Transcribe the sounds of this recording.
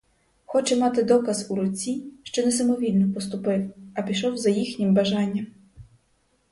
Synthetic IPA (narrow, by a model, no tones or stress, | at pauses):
xɔt͡ʃɛmɑt̪ɪd̪ɔkɐzuɾɔt͡sʲːiʃt͡ʃɔnɛs̬ɐmɔʋʲilʲnɔpɔst̪ʊpɪwɐpʲiʃɔwzɐjixnʲɪmbɐʒɑnʲːɐm